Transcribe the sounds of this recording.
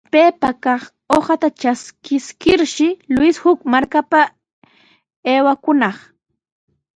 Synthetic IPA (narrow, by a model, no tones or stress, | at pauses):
peːpakɑχ | oχat̪at͡ʃaskɪskɪɾʃɪlʊɪshʊkmaɾkapa | eːwakʊnɑχ